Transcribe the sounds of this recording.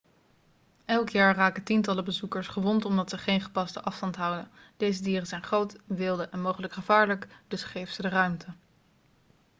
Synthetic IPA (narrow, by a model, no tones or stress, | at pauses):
ɛlˠkjaːɹraːkətintɑləbəzukəɹsχəʋɔntɔmdɑtsəχejnχə̥pɑstəʔɑfstɑntɦɑwdənd̥ejzədiːrənzɛjnχrowtʋɪlˠdəʔɛnmowχələkχəvaːɹləkd̥ɵsχejvəz̥ədərœɥmtʰə